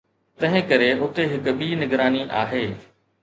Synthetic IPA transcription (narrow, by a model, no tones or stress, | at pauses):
t̪ɐ̃ɦɪ̃kɐɾeʊt̪eɦɪk̆ɓiːnɪɡɾaːniʔaːɦeː